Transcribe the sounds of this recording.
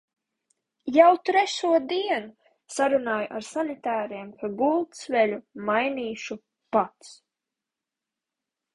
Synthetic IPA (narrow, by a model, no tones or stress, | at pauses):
jawt̪ɾɛʃuɔd̪iɛnu | saɾunaːjuʔaɾsanit̪aːɾiɛmkʰaɡulˠt̪svɛlʲumajniːʃu | pat̪s